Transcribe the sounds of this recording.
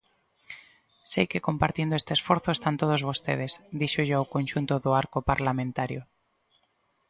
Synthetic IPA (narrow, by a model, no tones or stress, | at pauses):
sejkekompaɾt̪jend̪oest̪eːsfoɾθoest̪ant̪oð̞ozβ̞ost̪ḛð̞esd̪iʃoʒoaowkõnʲʃunt̪oðoaɾkopaɾlamẽnt̪aɾjo